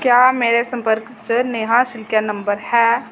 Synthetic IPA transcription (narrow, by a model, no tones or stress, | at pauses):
kjaːmeːɾesɐ̃mpəɾksəneɦãʃɪlkjanɐ̃mbəɾhɛː